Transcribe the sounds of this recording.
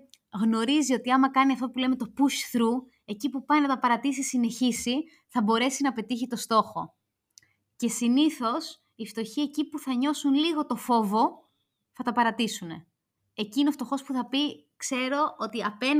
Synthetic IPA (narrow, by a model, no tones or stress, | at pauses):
ɣno̞ɾizio̞t̪iɐmɐkɐniɐft̪o̞pule̞me̞t̪opuʃθɾu | e̞cipupɐjnɐt̪ɐpɐɾɐt̪isisine̞çisi | θɐbo̞ɾe̞sinɐpe̞t̪içit̪o̞st̪o̞xo̞ | ce̞siniθo̞s | ift̪o̞çie̞cipuθɐɲo̞sunliɣo̞t̪o̞fo̞vo̞ | θɐt̪ɐpɐɾɐt̪isune̞̰ | eciineoft̪o̞xo̞spuθɐpi | kse̞ɾo̞ʔo̞t̪iɐpen